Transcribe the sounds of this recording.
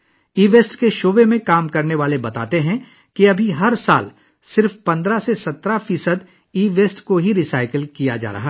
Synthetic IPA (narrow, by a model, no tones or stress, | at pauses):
iːʋeːsʈkeʃoːʋemẽkaːmkɐɾneʋaːlebɐt̪a̰ːt̪eɦɛ̃ | kiɐbʱiɦɐɾsa̰ːl | sɪɾfpɐ̃nd̪ɾasesɐt̪ɾafiːsəd̪ | iːʋeːsʈkoɦiɾisaːɪkəlkija̰d͡ʒa̰ːɾɐ̰ɦa